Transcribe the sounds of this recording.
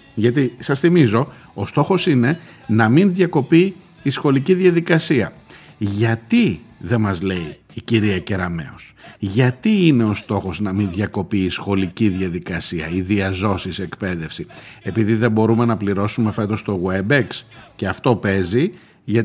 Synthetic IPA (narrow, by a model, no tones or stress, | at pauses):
ʝɐt̪isɐsθimizo̞ | ost̪o̞xo̞sine̞nɐminðʝɐko̞piː | sxo̞liciðʝɐðikɐsiɐʝɐt̪iðe̞mɐzle̞iːciɾiɐce̞ɾɐme̞̰osʝɐt̪iine̞o̞st̪o̞xo̞znɐminðʝɐko̞piːsxo̞liciðʝɐðikɐsiɐiðiɐzo̞sisekpe̞ðe̞fsie̞piðiðe̞bo̞ɾume̞nɐpliɾo̞sume̞fe̞t̪o̞st̪o̞ɣwebeksce̞ɐft̪o̞pe̞zi | ʝɐ